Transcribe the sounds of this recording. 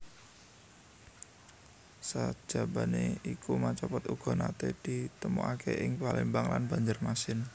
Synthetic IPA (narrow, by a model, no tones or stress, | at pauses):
sad̥ʒ̥a̤ba̤neikʰumat͡ʃɔpɔt̪uɡ̥ɔ̤nat̪ed̪̥i̤t̪əmṵʔakʰeʔɪŋpalembaŋlanb̥a̤ɲd͡ʒərmasɪn